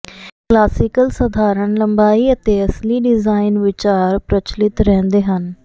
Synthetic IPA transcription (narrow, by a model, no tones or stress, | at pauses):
klaːsɪkəlsəd̪ʱaːɾəɳləmbaːiːət̪eːəsliːɖɪzaːɪnʋɪt͡ʃaːɾpɾət͡ʃlɪt̪ɾɛ̃ːnd̪eːɦən